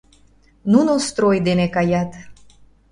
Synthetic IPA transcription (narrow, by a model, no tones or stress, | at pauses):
nunost̪ɾojd̪enekajat̪